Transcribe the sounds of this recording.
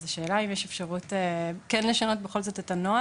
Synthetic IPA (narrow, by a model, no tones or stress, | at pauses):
zeʃe̞ːlaimjeʃe̞fʃaʁutekɛnle̞ʃano̞tbeχo̞lzo̞tetano̞a